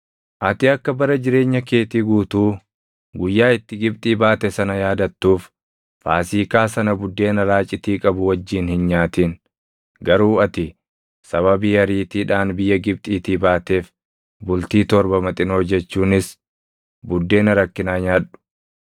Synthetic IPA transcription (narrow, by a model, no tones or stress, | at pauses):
ʔɐt̪ɪɐkːɐbɐɾɐd͡ʒɪɾe̞ːɲːɐke̞ːt̪iːɡuːt̪uː | ɡʊjːaːɪt̪ːɪɡɪb̚t̪ʼiːbaːt̪ɛsɐnɐjaːd̪ɐt̪ːuːf | faːsiːkaːsɐnɐbʊd̪ːe̞ːnɐɾaːt͡ʃʼɪt̪iːkʼɐbʊwɐd͡ʒːiːnhɪnɲaːt̪iːn | ɡɐɾuːɐt̪ɪ | sɐβɐbiːɐɾiːt̪iːᶑaːnbɪjːɐɡɪb̚t̪ʼiːt̪iːbaːt̪e̞ːf | bʊlt̪iːt̪ɔɾbɐmɐt̪ʼɪno̞ːd͡ʒɛt͡ʃːuːnɪs | bʊd̪ːe̞ːnɐɾɐkːɪnaːɲaːᶑʊ̥